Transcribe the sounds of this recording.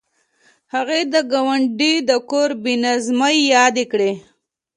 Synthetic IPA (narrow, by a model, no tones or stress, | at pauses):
haɣed̪əɡawaɳɖid̪əkoɾbinazmajjɑd̪ekɽe